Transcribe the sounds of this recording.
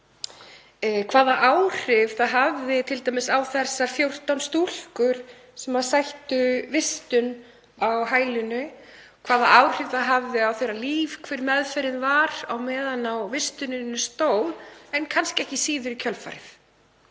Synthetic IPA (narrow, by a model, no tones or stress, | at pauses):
kʰv̥aːðaʔaːwr̥ɪvθaðɦavðɪt̪ʰɪlt̪ajmɪsawθɛsːafjowr̥t̪awnst̪ul̥kʏɾ̥ | sɛmað̥sajht̪ʏvɪst̪ʏn | awɦaːjlʏnʏ | kʰv̥aːðaawr̥ɪv̥θaðɦavðɪawθejɾaliːvkʰvɛɾmɛðfɛɾɪnvaɾawmɛːðanawvɪst̪ʏnɪnːʏst̪owlɛnkʰanscɪɛhcɪsiːðʏɾicʰœlfa̰ɾɪθ